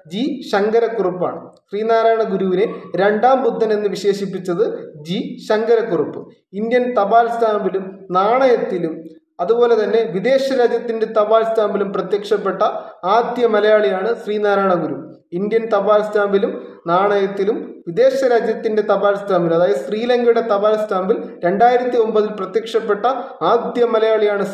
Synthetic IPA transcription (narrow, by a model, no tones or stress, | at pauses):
d͡ʑiɕɐŋɡɐɾɐkːurupːa̰ːɳɨɕriːnaːɾaːjɳɐɡuɾuʋineɾe̞ɳɖaːmbud̪ʱːɐne̞nːɨʋiɕe̞ːɕipːit͡ɕːɐðɨd͡ʑiɕɐŋɡɐɾɐkːurupːɨ | ind̪jɐnt̪ɐbaːlst̪ʰaːmbilumnaːɳɐjɐt̪ːilum | ɐðubo̞ːle̞t̪ɐnːe̞ʋid̪e̞ːɕɐɾaːd͡ʑjɐt̪ːinde̞t̪ɐbaːlst̪ʰaːmbilumprɐt̪jɐkʂɐpːe̞ʈːɐaːd̪jɐmɐlɐjaːɭijaːɳɨsriːnaːɾaːɳɐŋɡuɾum | ind̪jɐnt̪ɐbaːlst̪ʰaːmbilumnaːɳɐjɐt̪ːilumʋid̪e̞ːɕɐɾaːd͡ʑjɐt̪ːinde̞t̪ɐbaːlst̪ʰaːmbilumɐðaːjɐðɨsriːlɐŋɡjuɽe̞t̪ɐbaːlst̪ʰaːmbilɾe̞ɳɖaːjiɾɐt̪ːio̞mbɐðilprɐt̪jɐkʂɐpːe̞ʈːɐ | aːd̪jɐmɐlɐjaːɭijaːɳɨ